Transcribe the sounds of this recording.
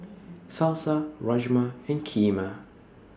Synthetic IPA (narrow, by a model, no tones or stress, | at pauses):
salˠsəɹʌʒməɪ̃nkʰiːmə